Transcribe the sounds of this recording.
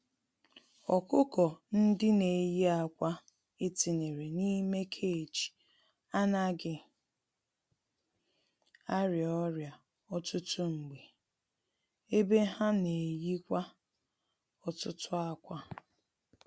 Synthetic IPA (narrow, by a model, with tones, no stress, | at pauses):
ɔ˨kʊ˦kɔ˨n̩˦dɪ˦ne˨ji˦a˨kʷa˦ | ɪ˦ti˨ne˨ɾe˨ni˦me˦kʰe˦˨t͡ʃi̥˨ | a˦na˦ɡɪ˨ | a˦ɾi˨ɔ˦ɾja˨ | ɔ˦tʊ˦tʊ˦ŋ͡m̩˨ɡ͡be˨ | e˦be˦ɦa˦ne˨ji˦kʷa˦ | ɔ˨tʊ˦tʊ˦a˦kʷa˦